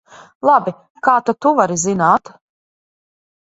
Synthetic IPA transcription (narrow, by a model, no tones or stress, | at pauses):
lˠabi | kaːt̪at̪uvaɾizinaːt̪